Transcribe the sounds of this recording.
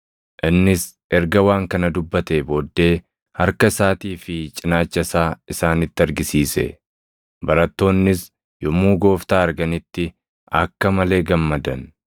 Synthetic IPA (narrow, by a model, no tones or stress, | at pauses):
ʔɪnːɪs | ʔɛɾɡɐwaːŋkɐnɐd̪ʊbːɐt̪eːbo̞ːd̪ːe̞ː | hɐɾkɐɪsaːt̪iːfɪt͡ʃʼɪnaːt͡ʃːɐsaːɪsaːnɪt̪ːɪɐɾɡɪsiːsɛ̰ | bɐɾɐt̪ːo̞ːnːɪs | jɔmuːɡo̞ːft̪aːɐɾɡɐnɪt̪ːɪ | ɐ̰kːɐmɐle̞ːɡɐmːɐd̪ɐn